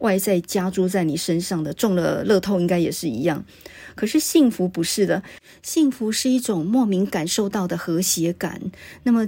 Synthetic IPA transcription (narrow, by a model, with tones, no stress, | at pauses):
wʔa˥˧ɪt͡sa˥˩ɪt͡ɕja˥ʈ͡ʂu˥t͡sa˥˩ɪni˨˩ʂə˥nʂɑ˥˩ŋd̪ə˩ʈ͡ʂʊ˥˧ŋlə˧lɤ˥˧t̪ʰo˥˧ʊi˥ŋka˥ɪjɛ˨˩ʂɻ̩˥˩ḭ˧˥jɑ˥˩ŋ | kʰɤ˨˩ʂɻ̩˥˧ɕi˥˩ŋfu˧˥pu˧˥ʂɻ̩˥˩d̪ə˩ | ɕi˥˩ŋfu˧˥ʂɻ̩˥˧i˥˩ʈ͡ʂʊ˨˩ŋmwɔ˥˩mi˧˥ŋka˨˩nʂo˥˧ʊt̪ɑ˥˩ʊd̪ə˩xɤ˧˥ɕjɛ˧˥ka̰˨˩˦nna˥˩mə˩